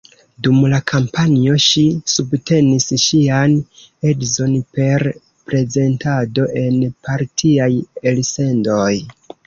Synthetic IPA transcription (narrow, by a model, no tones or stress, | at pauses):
dumlakʰampanio̞ʃisubte̞nisʃian | edzo̞npe̞ɾ | pɾe̞ze̞ntado̞ʔe̞npʰaɾtʰiajelse̞ndo̞j